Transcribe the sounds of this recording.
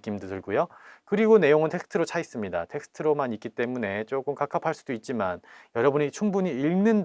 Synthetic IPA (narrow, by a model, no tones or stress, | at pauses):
k͈imdotɯɭɡojokɯɾiɡone̞joŋɯntʰe̞ksʰtʰɯɾot͡ɕʰais͈ɯmɲida̰tʰe̞ks͈ʰɯ̥tʰɯɾomanik͈it͈e̞mune̞t͡ɕ͈oɡɯmkakʰapʰaɭs͈udoit̚t͡ɕ͈imanjʌɾʌbuɲit͡ɕʰuŋbuɲiiɭnɯn